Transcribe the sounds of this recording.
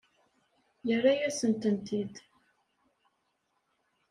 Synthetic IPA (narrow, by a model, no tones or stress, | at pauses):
jərːajæsənt̪ənt̪id̪